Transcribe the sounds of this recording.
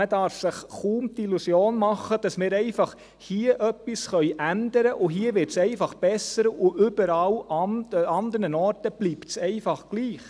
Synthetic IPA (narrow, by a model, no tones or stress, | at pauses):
ədɑɾfsɪχχuːmtilusjoːnmɑχəd̥ɑsmɪːɾɛɪfɑχ | hiəʔœpːisχœʏʔændəɾəʔʊɦiːəʋɪɾtsɛɪfɑχb̥ɛsəɾʊʔʏb̥əɾɑlɑɑnd̪əɾnənɔɾtəb̥liːptsɛɪfɑχɡ̥liːχ